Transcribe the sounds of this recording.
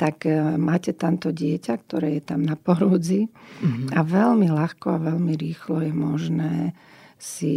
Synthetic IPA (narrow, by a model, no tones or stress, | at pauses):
t̪akmaːcɛt̪ant̪ɔɟɪɛcak̚t̪ɔɾɛːjɛt̪amnapɔɾuːd͡zi | aʋɛlmilaxkɔaʋɛlmiɾiːxlɔjɛmɔʒnɛː | si